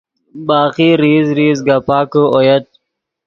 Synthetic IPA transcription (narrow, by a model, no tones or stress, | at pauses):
baːqiɾiːzɾiːzɡapaːkəojɐt̪̚